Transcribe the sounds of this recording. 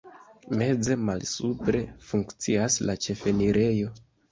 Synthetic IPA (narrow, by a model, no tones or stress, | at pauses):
me̞d͡ze̞malsupɾe̞fuŋkt͡siaslat͡ʃe̞fe̞niɾe̞jo̞